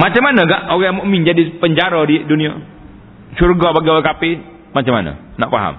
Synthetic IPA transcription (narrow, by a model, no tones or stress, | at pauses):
mat͡ʃamːanəɡaʔowɛamoʔəmiɲd͡ʒadipəɲd͡ʒaɾədidunia | surɡabaɡiowɛkapɪ | mat͡ʃama̰nə̰ | naʔfa̰ɦa̰m